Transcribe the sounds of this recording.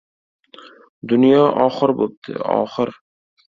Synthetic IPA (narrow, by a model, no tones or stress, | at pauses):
d̪ʊnjɒʔɒχɨɾbop̚t̪ʰɪ̰ɒ̰χɨɾ